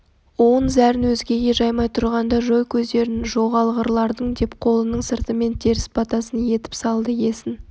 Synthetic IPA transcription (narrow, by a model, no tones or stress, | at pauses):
wo̞nzæɾɪnwɵzɡʲe̞ɡʲe̞ʒɑjmɑjt̪ʰʊɾʁɑnd̪ɑʒo̞jkʲʰɵzd̪e̞ɾɪnnɪʒo̞ʁɑlˠʁəɾlˠɑɾd̪əɴd̪e̞pqʰo̞lˠənəɴsəɾt̪əme̞nt̪ʰe̞ɾɪspʰɑt̪ɑsənje̞t̪ɪ̥psɑlˠd̪əje̞sɪn